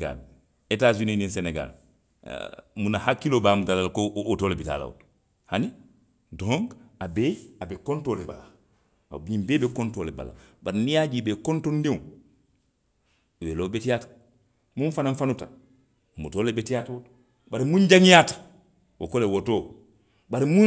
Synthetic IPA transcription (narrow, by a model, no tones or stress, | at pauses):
ɡa̰l | etaːzunininseneɡa̰l̰ | munahakːilobamudalalkootoːlebita̰la̰w̰t | hani | dɾoŋɡabeabekontoleba̰la̰ | biɲimbeːbekontoːleba̰la̰baɾinijad͡ʒibekontondim | welobetijaːtḁ | munfanaɱfanuta | mutoːlebetijatawot | baɾimuɲɟaŋijatḁ | wo̰kolewotoː | baɾimu